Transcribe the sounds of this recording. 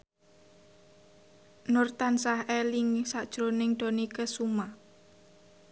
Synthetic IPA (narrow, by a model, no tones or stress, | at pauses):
nʊrt̪ansahɛliŋsaʔd̥ʒ̥ɾonɪŋɖ̪̥o̤nikəsuma